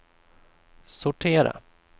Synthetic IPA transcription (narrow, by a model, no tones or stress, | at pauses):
sʊʈʰeːɾa̰